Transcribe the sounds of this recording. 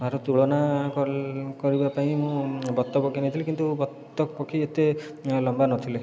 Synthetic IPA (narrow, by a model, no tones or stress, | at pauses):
aɾɔt̪uɭɔnakɔkɔɾibapaĩmũbɔt̪ːɔpɔkʰinet̪ʰilekint̪ubɔt̪ːɔpɔkʰiet̪e | lɔmbanɔt̪ʰile